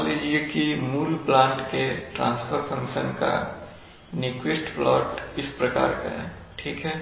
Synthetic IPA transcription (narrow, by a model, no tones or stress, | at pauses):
lid͡ʒiekimuːlplãːɳʈkeʈɾã̰ːnspʰəɾpʰə̃ŋkʃənka̰ | nikɪsʈflɔːʈɪspɾəka̰ːɾka̰ḛ̃ʈʰiːkɦɛː